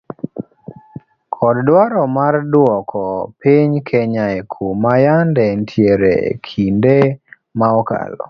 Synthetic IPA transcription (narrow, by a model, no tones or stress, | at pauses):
kʰɔddwaɾɔmardwɔkʰɔpiɲkʰeɲaɛkʰumajandɛntʰjeɾḛkʰinde | maɔka̰lɔ̰